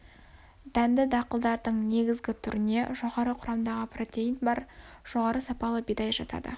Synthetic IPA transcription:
d̪̥ænd̪ɪd̪ɑqəlˠd̪ɑɾd̪əɴne̞ɡʲɪzɡʲɪt̪ʰʏɾɪne̞ʒo̞ʁɑɾəqʰʊɾɑmd̪ɑʁəpro̞t̪ʲe̞jint̪bɑɾ | ʒ̥o̞ʁɑɾəsɑpɑlˠəbijd̪ɑjʒɑt̪ɑ̰d̪ə̰

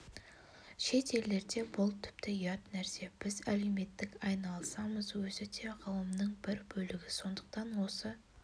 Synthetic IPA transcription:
ʃe̞t̪ʰe̞lːe̞ɾd̪e̞bʊlˠt̪ʰʏ̥p̚t̪ʰɪijɑt̪næɾse̞b̥ɪzæle̞wme̞t̪ːɪkʲɑjnɑlˠsɑməzwɵzɪd̪ʰe̞ʁʰɑwəmnəɴbɪɾbɵlɪɡʲɪso̞nd̪əq̚t̪ɑnwo̞sə

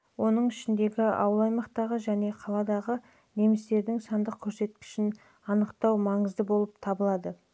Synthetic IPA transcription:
wo̞nəɴɪʃɪnd̪e̞ɡʲɪɑ̰wəlˠɑjmɑqt̪ɑʁəʒæne̞qʰɑlˠɑd̪ɑʁə | ne̞mɪst̪e̞ɾd̪ɪŋsɑnd̪əq̚kʲʰɵɾse̞t̪̚kʲɪ̥ʃɪn | ɑnəqt̪ɑwmɑɴəzd̪əbo̞lˠəpt̪ʰɑbəlˠɑd̪ə

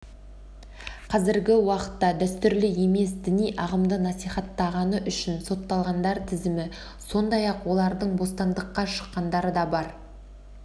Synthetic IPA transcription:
qʰɑzɪɾɡʲɪwɑqə̥t̪ːɑd̪æst̪ʏɾlɪe̞me̞sd̪ɪnijʔɑʁəmd̪ənɑsijχɑt̪ːɑʁɑnəʔʏʃɪnso̞t̪ːɑlˠʁɑnd̪ɑɾt̪ʰɪzɪmɪ | so̞nd̪ɑjɑqwo̞lˠɑɾd̪əɴbo̞st̪ɑnd̪əqːɑʃə̥qːɑnd̪ɑɾəd̪ɑbɑɾ

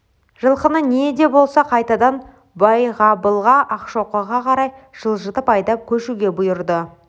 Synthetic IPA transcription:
ʒəlˠqənəned̪e̞bo̞lˠsɑqʰɑjt̪ɑd̪ɑn | bɑjʁɑbəlˠʁɑʔɑqʃo̞qəʁɑqʰɑɾɑjʒ̥əlˠʒət̪əpɑjd̪ɑp̚kʲʰɵʃuɡʲe̞bʊjʊɾd̪ə

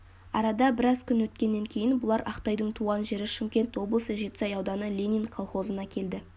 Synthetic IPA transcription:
ɑ̰ɾɑd̪ɑbɪɾɑzkʲʰʏnwɵt̪kʲe̞nːe̞ŋkʲʰe̞jɪnbʊlˠɑɾɑqt̪ɑjd̪əɴt̪ʰuʁɑnʒe̞ɾɪʃɪmkʲe̞nt̪wo̞blˠəsəʒe̞t̪ɪsɑjɑwd̪ɑnəlʲe̞nʲinkʰolˠχo̞zənɑkʲʰe̞ld̪ɪ

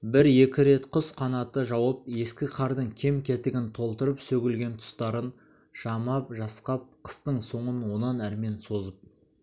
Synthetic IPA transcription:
bɪɾje̞kʲɪɾe̞t̪qʰʊsqʰɑnɑt̪əʒɑwəp̚je̞skʲɪqʰɑɾd̪əɴkʲʰe̞mkʲʰe̞t̪ɪɡʲɪnt̪ʰo̞lˠt̪əɾəpsɵɡʲɪlɡʲe̞nt̪ʰʊ̥st̪ɑɾən | ʃɑmɑpʒɑsqɑp̚qʰə̥st̪əɴso̞ɴənwo̞nɑnæɾme̞nso̞zəp̚

